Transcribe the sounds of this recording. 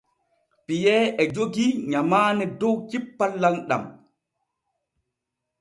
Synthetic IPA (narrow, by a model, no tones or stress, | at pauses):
pijɛɛd͡ʒoɡiɲamaːnɛdɔwd͡ʒipːalːanɗa̰m